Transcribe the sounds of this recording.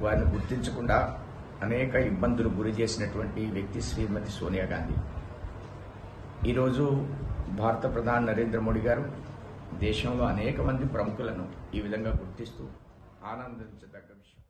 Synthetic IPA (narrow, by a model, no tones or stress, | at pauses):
ʋaːɾiniɡuɾt̪iɲt͡ʃɐkuɳɖaː | ɐnɛːkɐibːɐnd̪ʱuluɡuɾit͡ʃe̞ːsinɐʈuʋɐɳʈiʋjɐk̚t̪iʃɾiːmɐt̪isoːnijaːɡaːnd̪ʱḭ | iːɾo̞ːd͡ʒubʱaːɾɐt̪ɐpɾɐd̪ʱaːnɐnɐɾe̞ːnd̪ɾɐmo̞ːɽiɡaːɾu | d̪ɛːʃɐmlo̞ːɐnɛːkɐmɐnd̪ipɾɐmukulɐnuiːʋid̪ʱɐŋɡaːɡuɾt̪ist̪uː | aːnɐnd̪ɐt͡ʃɐd̪ɐɡːɐʋiʃɐm